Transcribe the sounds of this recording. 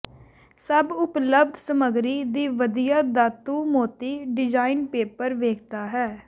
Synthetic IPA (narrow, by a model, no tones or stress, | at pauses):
səbʊpləbd̪səməɡɾiːd̪iːʋəd̪ijaːd̪aːt̪uːmoːt̪iːɖɪd͡ʒaːinpeːpəɾʋeːkʰt̪aːɦɛː